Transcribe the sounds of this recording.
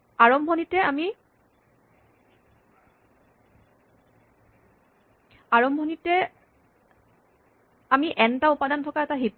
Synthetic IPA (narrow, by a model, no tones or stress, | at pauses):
aɹɔmʱɔnitɛami | aɹɔmbʱɔnitɛ | amiʔɛntaupadantʰɔkaɛtaɦitː